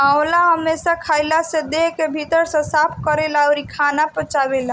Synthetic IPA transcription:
aolaɦəmːesakʰaːjlased̪ekebʱit̪əɾsɔ̃saːpʰkəɾelaɔɾikʰaːnapət͡ʃaːwela

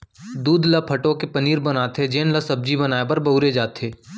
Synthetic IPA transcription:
d̪uːd̪lapʰɐʈõkepɐniːɾbɐnaːt̪ed͡ʒeːnlɐsɐb̚d͡ʒibɐnaːebɐɾbɐuɾed͡ʒaːt̪eː

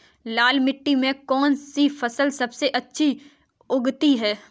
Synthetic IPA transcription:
laːlmɪʈːimẽkɔːnsifɐsəlsɐbseʔɐtːʃʰi | ʊɡt̪iɦɛː

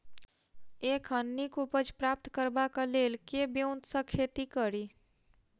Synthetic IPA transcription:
ekʰənːikupəd͡ʒpɾap̚t̪kəɾbakəlelkebjoʊnt̪sə̃kʰet̪ikəɾi

